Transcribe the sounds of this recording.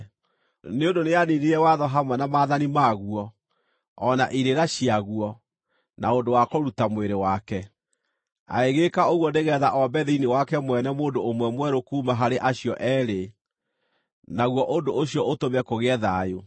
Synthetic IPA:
neondoneaniniɾɛwaðɔɦamwɛnamaːðanimaɣuɔː | naʔiɾeɾaɕiaɣuɔ | naondowakɔɾutamweɾewakɛ | a̰eɣekaoɣwɔneɣɛðaʔɔmbɛðiinewakɛmwɛnɛmoːndoːmwɛmwɛɾokuːmaɦaɾeʔaɕiɔʔɛːɾe | naɣwɔʔondoʔoɕjɔʔotomɛkoɣɛðajo

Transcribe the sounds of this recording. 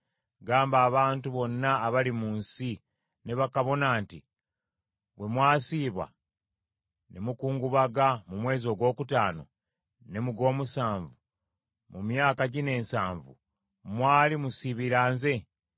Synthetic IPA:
ɡaːmbaːβaːntuβo̞nːaːβalimuːnsi | ne̞βakaβo̞naːntḭ | βwe̞mwaːsiːβwa̰ | ne̞mukuːŋɡuβaɡamumwe̞ːzo̞ːɡwo̞ːkutaːno̞̰ | ne̞muɡo̞ːmusaːɱvu | mumjaːkaɟine̞ːnsaːɱvṵ | mwaːlimusiβiɾaːnze̞

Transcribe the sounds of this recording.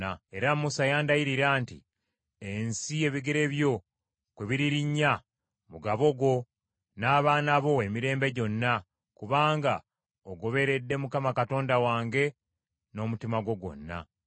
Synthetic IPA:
ae̞ɾamːusajaːndajiɾiɾaːntḭ | ensie̞βiɡeɾe̞βjo̞ | kweβiɾiɾiɲːa | muɡaβo̞ɡo̞ | naːβaːnaβo̞e̞miɾe̞ːmbe̞ɟo̞nːa | kuβaːŋɡa | oɡo̞βe̞ɾe̞dːe̞mukamakato̞ːndawaːŋɡe̞ | no̞mutimaɡwo̞ɡwo̞̰nːa̰

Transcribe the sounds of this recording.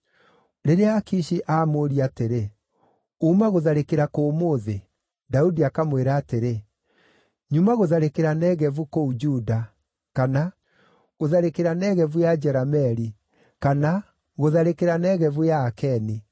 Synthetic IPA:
ɾeɾeakiʃiʔaːmoːɾiateɾe | umaɣoðaɾekeɾakoːmoðe | daudiakamweɾaːteɾe | ɲumaɣoðaɾekeɾanɛɣɛvukoud͡ʒuda | kana | ɣoðaɾekeɾanɛɣɛvujad͡ʒɛɾamɛɾi | kana | ɣoðaɾekeɾanɛɣɛvujaːkɛni

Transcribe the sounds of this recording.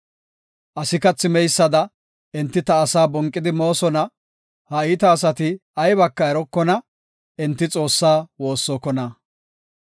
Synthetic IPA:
ʔɐsɪkɐt͡sːɪmɛjsːɐd̪ɐ | ɪnt̪ːɪt̪ɐːsaːbɔŋkʼːɪd̪ɪmo̞ːsɔnɐ | hɐɪːt̪ɐːs̬ɐt̪ɪɐjbɐkːɐɛɾɔkːɔnɐ | ɛnt̪ːɪt͡sʼo̞ːsːaːwo̞ːsːɔkɔnɐ

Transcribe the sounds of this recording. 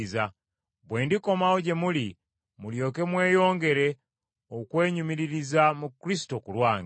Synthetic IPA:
za | bwe̞ːndiko̞maoɟe̞muli | muljo̞ːke̞mwe̞ːjo̞ːŋɡe̞ɾe̞ | okwe̞ːɲumiɾiɾizamukɾis̬i̥to̞kulwaːŋɡ

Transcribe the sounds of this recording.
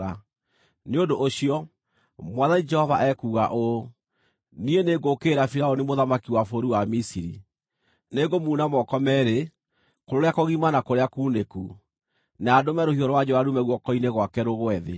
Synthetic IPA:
a | neodoʔːɕiɔ | mwaðanid͡ʒɛhɔvaʔɛkuːɣaʔo | nieneɡokeːɾafiɾaɔnimoðamakiwafoɾuwamisiɾḭ | neɡomuːnamɔkɔmɛɾe | koɾoɾeakoɣimanakoɾeakuːneku | naːdomɛɾohiɔɾwad͡ʒɔaɾumɛɣwɔkɔineɣwakɛɾoɣoɛðḛ

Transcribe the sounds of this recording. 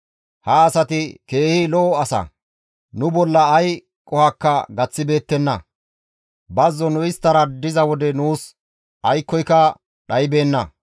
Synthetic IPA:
hɐːsɐt̪ɪke̞ːhɪlɔːɐsɐ̰ | nʊbɔlːɐːj | kʼɔhɐkːɐɡɐt͡sːɪbe̞ːt̪ːɛnːɐ̰ | bɐzːɔnʊɪst̪ːɐɾɐd̪ɪzɐwɔd̪ɛnuːs | ɐjkːɔjkːɐ | ɗɐjbe̞ːnːɐ̰

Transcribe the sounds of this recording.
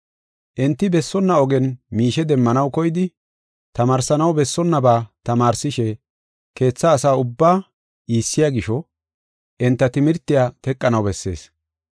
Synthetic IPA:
ʔɛnt̪ːɪbɛsːɔnːɐɔɡɛnmiːʃɛd̪ɛmːɐnɐwkɔjɪd̪ɪ | t̪ɐmaːɾsɐnɐwbɛsːɔnːɐbaːt̪ɐmaːɾsɪʃɛ | ke̞ːt͡sːaːsaːʊbːaː | iːsːɪjaːɡɪʃɔ | ʔɛnt̪ːɐt̪ɪmɪɾt̪ːɪjat̪ɛkʼːɐnɐwbɛsːe̞̰ːs

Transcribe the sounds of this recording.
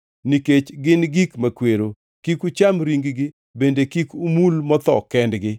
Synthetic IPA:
niket͡ʃɡɪnɡikmakweɾo | kikut͡ʃamɾiŋɡɡɪ | bendekikumulmɔt̪ɔ̰kɛndɡɪ

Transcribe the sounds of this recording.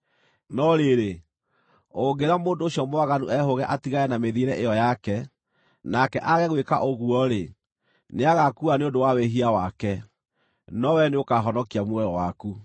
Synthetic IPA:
nɔɾeɾe | oŋɡeɾamoːndoːɕjɔmowaɣanuʔɛɦoɣɛʔatiɣajɛnameðiɾɛʔejɔjakɛ | nakɛʔaɣɛɣweka̰ʔoɣuɔɾe | neaɣakuaneondowaweɦiawakɛ | nɔwɛneokaɦɔnɔkiamwɛɾɔwaku

